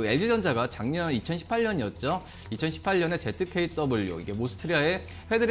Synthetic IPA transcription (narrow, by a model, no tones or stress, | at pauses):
ɯe̞ɭd͡ʑid͡ʑʌnd͡ʑaɡat͡ɕaŋɲʌnit͡ɕʰʌnɕʰi̥pʰaɭɲʌɲiʌt̚t͡ɕ͈o | it͡ɕʰʌnɕʰi̥pʰaʎːʌne̞t͡ɕe̞tʰɯkʰe̞it͈ʰʌboʎːo̰iɡe̞mosʰɯ̥tʰɯɾiae̞ | ɸe̞dɯɾ